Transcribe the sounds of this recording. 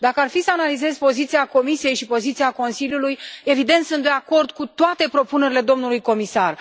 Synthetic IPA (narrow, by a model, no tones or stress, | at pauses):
d̪akəarfisəanalize̞zpo̞zit̪siako̞misije̞jʃipo̞zit̪siako̞nsiljuluje̞vid̪e̞nt̪sunt̪d̪e̞ako̞rd̪kut̪oat̪e̞pɾo̞pune̞ɾile̞d̪o̞mnulujko̞misar